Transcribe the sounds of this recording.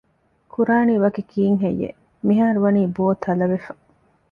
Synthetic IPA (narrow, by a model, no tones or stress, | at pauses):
kʰuɾaːniʋɐkekʰiːŋɦejːḛ | miɦaːɾuʋɐniːboːt̪ʰɐlɐʋefɐ̥